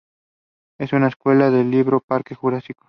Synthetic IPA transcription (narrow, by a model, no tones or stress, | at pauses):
e̞sunaeskwe̞laðeliβɾopaɾkexuɾasiko̥